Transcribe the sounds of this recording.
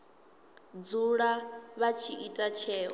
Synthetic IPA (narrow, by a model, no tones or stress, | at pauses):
d͡zuɺaβat͡ʃʰiitʼat͡ʃʰɛː